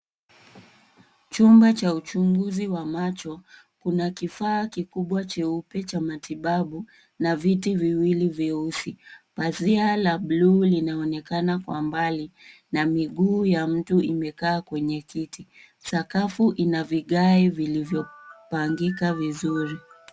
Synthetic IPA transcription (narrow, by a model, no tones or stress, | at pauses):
t͡ʃumbat͡ʃaut͡ʃuŋɡuziwamat͡ʃɔ | kunakifaːkikuɓwat͡ʃɛupɛt͡ʃamatiɓaɓu | navitiviwiliviusipazialaɓlulinaɔnɛkanakwa̰mbali | namiɠuːjam̩tuʔimɛkaːkwɛɲɛkiti | sakafuʔinaviɠaivilivjɔpaŋɡikavizuɾi